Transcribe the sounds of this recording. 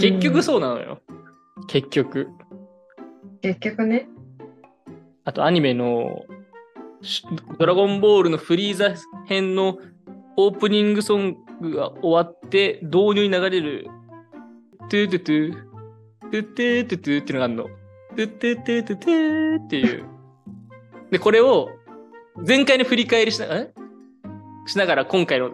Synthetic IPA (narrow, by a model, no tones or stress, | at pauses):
ke̞kʲːo̞kɯ̟so̞ːnano̰jo̰ | ke̞kʲːo̞kɯ̟ | kekʲːokɯ̟ne | at̪oaɲ̟ime̞no̞̰ | d̪o̞ɾaɡõ̞mbo̞ːɾɯ̟no̞ɸɯ̟ɾʲiːzahẽ̞nːo̞oːpɯ̟ɲ̟ĩŋɡɯ̟sõ̞ŋɡɯ̟ɡa̰o̞βat̪ːe̞d̪o̞ːɲʲɨːɲ̟inaɡaɾe̞ɾɯ̟̰ | t̪ɨt̪ɯt̪ɨ | t̪ɨt̪ːɨt̪ːɨt̪ːɨt̪eiɯnoaɯnːo̰ | t̪ɨt̪ːɨt̪ːɨt̪ːɨt̪ɨt̪ːe̞jɯ̰ː | d̪e̞ko̞ɾe̞o̞ | d͡zẽ̞ŋkaiɲoɸɯ̟ɾʲikaeɾʲiɕia | ɕinaɡaɾakõ̞ŋkaino